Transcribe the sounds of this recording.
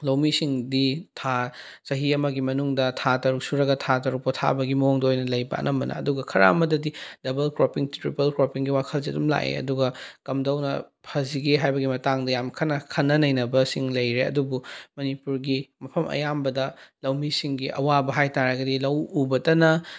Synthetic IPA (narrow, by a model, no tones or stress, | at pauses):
lɐwmisiŋditʰa | sɐɦiɐmɐɡimɐnuŋdɐtʰatɐɾuk̚suɾɐɡɐtʰatɐɾuk̚pɐtʰa̰bɐɡimɐoŋdɐojnɐlɐjbɐ̰ɐ̰nʔɐmbɐnɐ̰ːduɡɐkʰɐɾa̰mɐdɐdid̥ɐbɐlkɾopiŋtɾipɐlkɾopiŋɡiwakʰɐlzetumla̰ʔḛɐ̰duɡɐkɐmdɐwnɐ̰pʰɐziɡeɦajbɐɡimɐtaŋdɐjamkʰɐnːɐkʰɐnːɐnɐjnɐbɐsiŋlɐjɾeɐ̰dubumɐnipuɾɡimɐpʰɐmɐ̰jambɐdɐlɐwmisiŋɡiʔɐ̰wabɐɦajtaɾɐɡɐdilɐwubɐtɐnɐ